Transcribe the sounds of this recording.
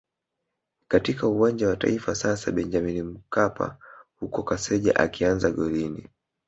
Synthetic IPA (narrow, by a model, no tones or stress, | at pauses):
katikauwand͡ʒawata̰ifasasa̰ɓɛnd͡ʒaminim̩kapʰa̰hukɔkasɛʄa̰ʔa̰kianzaɡɔɾinḭ